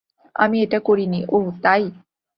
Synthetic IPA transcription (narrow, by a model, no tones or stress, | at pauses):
a̰mieʈakoɾiniʔoɦt̪aj